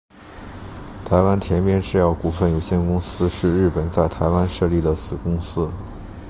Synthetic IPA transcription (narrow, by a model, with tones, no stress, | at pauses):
t̪ʰa˧˥ɪwa˥nt̪ʰjɛ˧˥npjɛ˥nʈ͡ʂɻ̩˥˧jɑ˥˩ʊku˨˩fə˥˩njo˨˩ʊɕjɛ˥˩nkʊ˥ŋsɹ̩˥ʂɻ̩˥˧ɻɻ̩˥˩pə˨˩nt͡sa˥˩ɪt̪ʰa˧˥ɪwa˥nʂɤ˥˧li˥˩d̪ə˩sɹ̩˨˩kʊ˥ŋsɹ̩˥